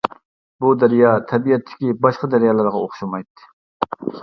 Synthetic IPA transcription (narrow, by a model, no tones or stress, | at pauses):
bud̪æɾijɑt̪ʰɛbiɛt̪ʰːɪ̥kʲibɑʃqɑd̪æɾjɑːlˠɨɾʁɑoχʃumɑjt̪ːɨ̥